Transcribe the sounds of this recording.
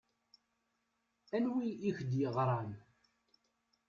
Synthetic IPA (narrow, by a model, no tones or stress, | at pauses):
ænwiiçd̪jəʁɾˤɑn